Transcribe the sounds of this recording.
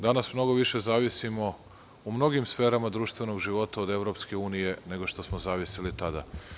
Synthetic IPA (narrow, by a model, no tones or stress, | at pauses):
d̪anasmno̞ɡo̞ʋiʃe̞zaːʋisimo̞ | umno̞ɡimsfe̞ːɾamad̪ɾuːʃt̪ʋe̞noɡʒiʋo̞t̪aod̪e̞vɾo̞pske̞uːnije̞ne̞ɡo̞ʃt̪o̞smozaːʋisilit̪ad̪a̰